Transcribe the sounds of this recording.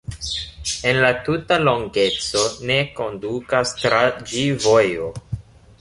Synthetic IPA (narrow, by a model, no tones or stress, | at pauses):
e̞nlatutalo̞ŋɡe̞t͡so̞ne̞ko̞ndukastɾad͡ʒivojo